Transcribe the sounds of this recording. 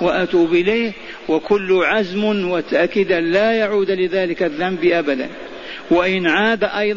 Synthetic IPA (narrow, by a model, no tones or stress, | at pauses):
waʔat̪uːbʔɪleːh | wakʊlːʊʕazmwat̪aʔkɪd̪alajaʕuːd̪lɪðaːlɪkaðːambʔabad̪a̰n | waʔɪnʕaːd̪aʔɑjˤ